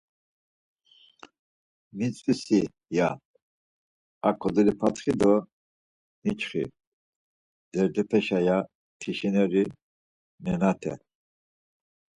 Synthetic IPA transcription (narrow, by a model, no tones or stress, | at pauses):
mit͡sʼisi | ja | akʰɔd̪ɛlipʰat̪χid̪ɔ | nit͡ʃʰʼχḭ | d̪̥ɛɾd̪ɛpʰɛʃaja | t̪ʰiʃinɛɾi | nɛnat̪ʰɛ̰